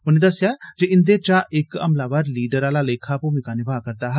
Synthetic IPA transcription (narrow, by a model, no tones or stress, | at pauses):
ʊnẽd̪ɐsjad͡ʒeɪnd̪et͡ʃaʔɪkɐ̰mlaːbaːɾliːɖəɾaːlaleːkʰapomɪkaːnɪbʱaːkɐɾt̪aɦɛ